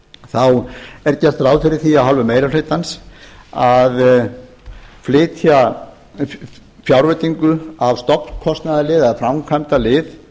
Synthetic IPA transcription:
θawɛɾt̪jast̪ɾawfɪɾɪɾ̥θiaðɦɔlvʏmeːjɾaflɪːt̪ansað | flɪːt̪ʰja | fjawɾvœt̪iŋkʏavst̪ɔpnkʰɔst̪naðalɪðaðfɾamkʰvamt̪alɪð

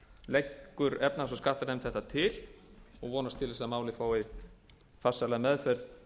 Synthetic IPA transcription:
lejkːʏɾɛpnasɔskaht̪aɾnemt̪θɛht̪at̪ʰɪlɔɣvɔːnast̪ʰɪlɛsamaːwlɪfaːwɪ | fasːalamɛðfœɾð

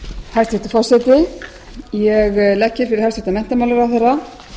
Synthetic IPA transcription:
hajɾst̪ɪft̪ɪ̥fawsɛt̪ɪ | jɛɣlɛhcːɪɾ̥fɪɾɪɾ̥haɾst̪vɪt̪amɛnt̪amawlʏɾawθɛrːa

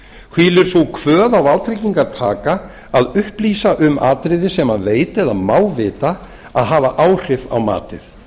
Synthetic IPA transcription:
hviːlɪɾ̥suwkʰvœːðawawt̪ʰɾejciŋkaɾ̥t̪ʰaːka | aðʏhpliːsaʔʏmʔa̰ːt̪ɾɪðɪsɛmaveːjt̪ɛðaðmaːwvɪːt̪a | aðɦaːvaʔaːwr̥ɪva̰wma̰ːt̪ɪ̰θ

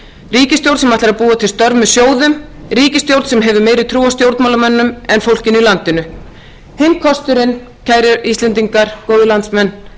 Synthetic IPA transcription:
riːcɪst̪jowɾsɛmajt̪aɾaðpuːat̪ʰɪlst̪œɾvmɛsjoːwðʏmriːcɪst̪jowɾt̪sɛmɦɛvʏmeːjɾɪðt̪ʰɾuːast̪jowɾt̪mawlamɛnːʏmɛnfowl̥cɪnʏilant̪ɪnʏ | hejmkʰɔst̪ʏɾɪn | cʰaːjɾɪist̪lɛnt̪̬iŋkaɾ̥koːwðɪlant̪smɛnː

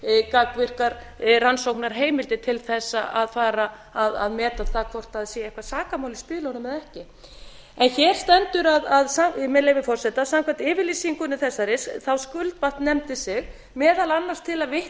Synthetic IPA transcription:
kakvɪr̥kaɾ | ransowknaɾ̥ɦeːjmɪlt̪ɪt̪ʰɪlθɛsːaʔaðfaːɾa | aða̰ðmɛːt̪aðθakʰvɔr̥t̪aðsjɛːɛjhkvasaːkamawlɪspɪːlanamɛðɛhcɪ | ɛnçɛːɾ̥st̪ɛnt̪ʏɾaðaðsamɛlejvɪfɔrsɛt̪asamkʰvat̪ɪːvɪɾlisiŋkʏnːɪθɛsːaɾɪsθawskʏlt̪vaht̪nɛmt̪ɪsɪɣ | mɛːðalanːaɾ̥st̪ʰɪlaðvɪh

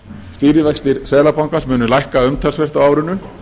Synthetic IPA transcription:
st̪iːɾɪvɛjkst̪ɪɾ̥sɛːlapawŋkasmʏːnʏlajhkaʏmt̪ʰɛlsvɛr̥t̪awaːwɾʏnːʏ

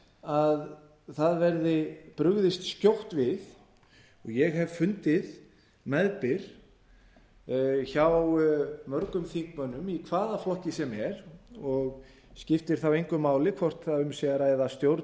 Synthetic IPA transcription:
að | θaðvɛɾðɪpɾʏɣðɪst̪scjowht̪vɪð | ɔɣjɛɣɦɛvfʏnt̪ɪð | mɛðpɪɾ̥ | çawwmœɾkʏmθiŋkmœnːʏmikʰvaːðaflɔhcɪsɛmɛɾɔɣ | scɪft̪ɪɾ̥θawejŋkʏmaːwlɪkʰvɔr̥t̪θaʏmsɛaɾajðast̪jowɾ

